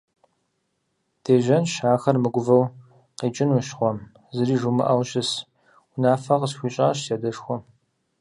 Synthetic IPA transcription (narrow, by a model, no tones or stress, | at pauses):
d̥eːʒɐnʃaːxɐrmɨɡʷʊvɐw | qiːt͡ʃʼɪnuʃχʷɔm | zɨriːʒumɨ̰ʔɐwɕɪs | unaːfɐqəsxʷiːɕʼa̰ːɕsadɐʂxʷɔm